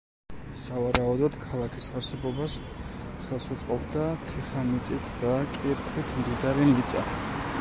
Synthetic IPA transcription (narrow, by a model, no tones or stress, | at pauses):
savaɾaud̪ɔd̪̥kʰalˠakʰisaɾsɛbɔbas | χɛlˠsɔt̪sʼqʼɔd̪d̪at̪ʰiχanit̪sʼit̪ʰd̪akʼiɾt̪ʰχit̪ʰmd̪iɡ̪aɾimit̪sʼa̰